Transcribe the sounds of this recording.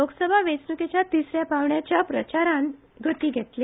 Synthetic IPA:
loksəbʱaʋet͡snuket͡ɕjat̪isɾjapaʋɳjat͡ɕjapɾət͡ɕaɾãn | ɡʱət̪iːɡʱet̪le

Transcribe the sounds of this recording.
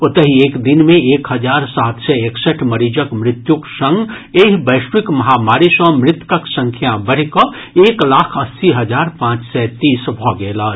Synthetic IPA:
ʊt̪əɦieːkd̪ɪnmẽeːkɦəd͡ʒaːɾsaːt̪sɛeksəʈʰməɾiːd͡ʒəkmɾɪt̪juksə̃ŋɡ | eːɦbəɪʃwikmɐɦamaːɾisɔ̃mɾɪt̪kəksə̃ŋkʰjabəɽ̤kɔ | eːklaːkʰɐsːiɦəd͡ʒaːɾpãːt͡ʃsɛt̪iːsbʱɔɡeːla

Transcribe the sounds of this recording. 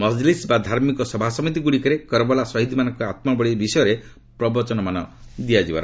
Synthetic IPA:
mɔd͡ʒlisbad̪ʱaɾmikɔsɔbʱasɔmit̪̬iɡuɽikɔɾekɔɾɔbɔlasɔɦid̪ʱimanɔŋkɔat̪mabɔɽibisɔjɔɾe | pɾɔbɔt͡ʃɔnɔmanɔd̪ijad͡ʒiba̰ɾɔ

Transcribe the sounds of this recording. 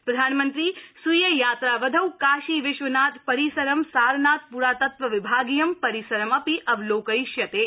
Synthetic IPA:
pɾɐd̪ʱaːnmənt̪ɾiːsujɐjaːt̪ɾaːʋɐd̪ʱɐwkaːʃiːʋɪʃʋɐnaːt̪pɐɾisɐɾɐmsaːɾnaːt̪̚puɾaːt̪ɐt̪ʋɐʋɪbʱaːɡijɐmpɐɾisɐɾɐmɐpiʔɐʋloːkɐjʃjɐt̪eː

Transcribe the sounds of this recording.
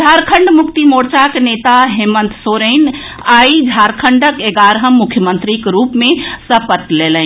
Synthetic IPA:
d͡ʒʱaɾkʰəɳɖmukt̪imoɾt͡ʃaknet̪aɦemənt̪soɾen | aid͡ʒʱaɾkʰəɳɖəkeɡaɾɦəmːukʰjəmənt̪ɾikɾupmesəpət̪lelən

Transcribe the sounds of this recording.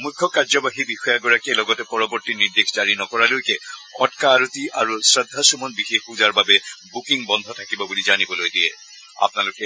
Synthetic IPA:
mukʰːɔkaɹzɔbaɦibixɔjaɡɔɹakielɔɡɔtɛpɔɹɔbɔɹtiniɹd̪exʰzaɹinɔkɔɹalojkɛɔtkaːɹut̪ia̰ɹusɹad̪ʱːasumɔnbixexuzaɹbabɛbukiŋbɔnd̪ʱɔtʰakibɔbulizanibɔlojdiɛ̰ | a̰pnalʊkɛ

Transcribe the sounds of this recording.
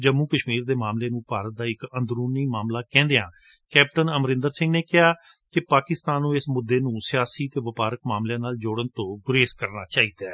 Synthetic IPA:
d͡ʒəmũːkəʃmiːɾd̪eːmaːmleːnũːpaːɾət̪̚d̪aːɪkənd̪ɾuːniːmaːmlaːkɛ̃ːnd̪eãː | kɛːp̚ʈənəmɾɪ̃nd̪əɾsɪ̃ŋɡneːkɪɦaː | kɪpaːkɪst̪aːnːũːɪsmʊd̪ːeːnũːsɪjaːsiːt̪eːʋəpaːɾəkmaːmljãːnaːld͡ʒoːɽənt̪õːɡʊɾeːskəɾnaːt͡ʃaːiːd̪aː

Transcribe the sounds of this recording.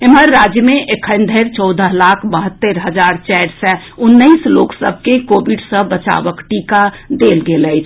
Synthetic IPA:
emɦəɾːad͡ʒjəmeʔekʰənd̪ʱəɾt͡ʃɔʊd̪ʱəɦlakʰbəɦət̪ːəɾɦəd͡ʒaɾt͡ʃɛɖsɛ̃ | unːəɪsloksə̰bʱkekobiɖsə̃bət͡ʃa̰bəkʈikad̪elɡeləɪt͡ʃʰ

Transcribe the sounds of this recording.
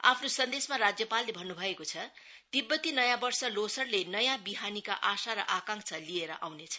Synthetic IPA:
a̰pʰnosʌnd̪esmarad͡zjʌpalːebʱʌnːubʱʌekot͡sʰʌ | d̪̥ibːʌt̪inʌjãbʌrsʌlosʌrlenʌjãbiɦanika̰ʔasaɾʌ̰ʔakãŋksʰʌlieɾʌ̰ʔawnet͡sʰʌ̥

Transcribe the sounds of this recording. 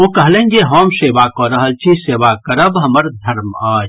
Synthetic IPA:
okɐɦlẽːnɡeɦɔːmseːʋakɔɾəɦəlt͡ʃʰiseːʋakəɾəbɦɐməɾd̪ʱɐɾmaːd͡ʒ

